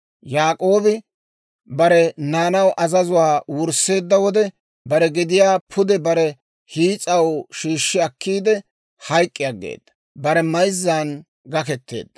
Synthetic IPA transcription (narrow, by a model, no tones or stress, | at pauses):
jaːkʼo̞ːbɪ | bɐɾɛnaːnɐwʔɐzɐzʊwaːwʊɾsːe̞ːd̪ːɐwɔd̪ɛ | bɐɾɛɡɪd̪ɪjaːpʰʊd̪ɛbɐɾɛ | hiːt͡sʼɐwʃiːʃːɪɐkːiːd̪ɛ | hɐjkʼːɪjaɡḛːd̪̥ːɐ̥ | bɐɾɛmɐjzːaːn | ɡɐkɛt̪ːe̞̰ːd̪ːɐ̥